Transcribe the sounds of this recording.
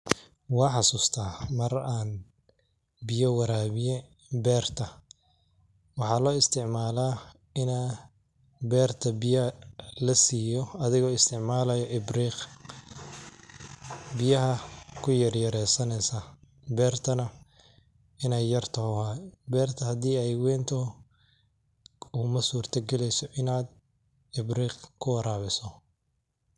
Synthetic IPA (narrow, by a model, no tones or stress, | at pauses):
wɑːħɑsuːst̪ʰaːmɐraːn | bɪjɐwɑɾaːβɪjɛ | bɛːrt̪ʰɐ | wɑħɑːlɔːɪst̪ʰɪʕmaːlaː | ɪnaː | bɛːrt̪ʰɐbɪjɐlɐsiːjɔɐðɪɣɔːɪst̪ʰɪʕmaːlɐjɔʔɪbriːq | bɪjɐɦɐkʰʊjɐrjɐɾɛːsɐnɛjsa | bɛːrt̪ʰɐnɐ | ɪnɛjːɐrt̪ʰɐʊhaːjbɛːrt̪ʰɐhɐd̪iːɛjwɛːnt̪ʰɔ | uːmɐsuːrt̪ʰɐɡɛlɛjsɔʔɪnaːd̪ | ɪbriːqkʰʊwɐɾaːβɪsɔ